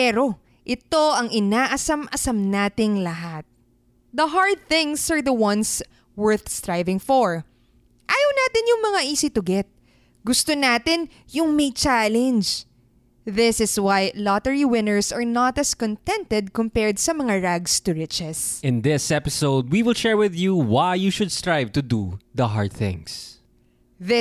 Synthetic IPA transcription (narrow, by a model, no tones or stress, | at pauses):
pɛːɾo̞ | ʔɪt̪o̞ʔɐŋɪnaːʔɐsɐmʔɐsɐmnaːt̪ɪŋlɐɦat̪̚ | d̪ɐɦaɹd̪̚θɪ̃ŋsɐɹðɐwɐ̃ns | wɛɹθst̪ɹajvɪ̃ŋfɔɹ | ʔaːjɐwnaːt̪ɪnjʊŋmɐŋaʔiːsɪt̪ʊɡɛt̪̚ | ɡʊst̪onaːt̪ɪnjʊŋmɐjt͡ʃalɛnd͡ʒ | ðɪsɪswajlɔt̪ɛɹiwɪ̃nəɹsɐɹnɐt̪ɐskɔ̃nt̪ɛ̃nt̪ɛd̪̚kʊmpɛɹd̪̚sɐmɐŋaɹaɡst̪ʊɹɪt͡ʃɛsʔɪ̃nðɪsɛpɪsoʊd̪̚wiwɪlˠʃɛɹwɪðjuwajjuʃʊd̪st̪ɹajvt̪ud̪uðɐɦa̰ɹd̪̚θɪ̰̃ŋs | ðɪ